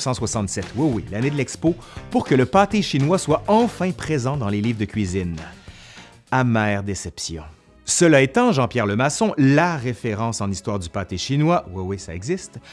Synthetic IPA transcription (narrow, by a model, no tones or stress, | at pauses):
sɑ̃swasɑ̃t̪sɛt̪wiwilaned̪əlɛkspopuʁkələpat̪eʃinwaswaɑ̃fɛ̃pχezɑ̃d̪ɑ̃leliːvd̪əkʲɥizin | amɛːʁd̪esɛpsjɔ̰̃ | səlaet̪ɑ̃ʒɑ̃pjɛʁləmasɔ̃laʁefeʁɑ̃ːsɑ̃nist̪waːʁd̪ypat̪eʃinwawiwisa̰ɛɡzist̪